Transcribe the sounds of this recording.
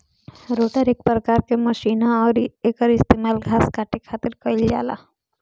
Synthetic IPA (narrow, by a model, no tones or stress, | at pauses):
ɾoːʈəɾek̚pɾɐkaːɾkemɐʃiːnaɔːɾeːkəɾɪst̪eːmaːlɡʱaːskaːʈekʰaːt̪ɪɾkəɪld͡ʒa̰ːla̰ː